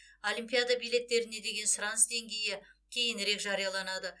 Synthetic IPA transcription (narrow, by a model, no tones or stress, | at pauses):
o̞lʲijmpʲijad̪abijle̞t̪ːe̞ɾɪne̞d̪e̞ɡʲe̞nsɾansd̪e̞ŋɡʲe̞jɪkʲʰe̞jɪnɾe̞kʒɑɾijɑlˠɑnɑd̪ə